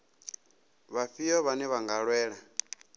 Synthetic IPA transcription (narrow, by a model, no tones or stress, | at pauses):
βaɸijɔβanɛβaŋɡaɺwɛːɺa